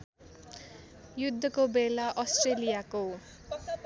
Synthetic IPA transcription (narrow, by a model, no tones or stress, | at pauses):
jud̪ʱːʌkobelaʔʌsʈrelijako